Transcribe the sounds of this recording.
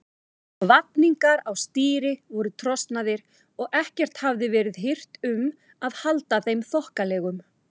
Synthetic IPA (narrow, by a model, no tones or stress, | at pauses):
vat̪̚niŋkaɾawst̪iːɾɪvɔɾʏt̪ʰɾɔst̪naðɪɾ̥ | ɔɣɛhcɛr̥t̪havðɪvɛːɾɪðɦɪr̥t̪ʏm | aðhalt̪aθejmθɔhkalɛːɣʏm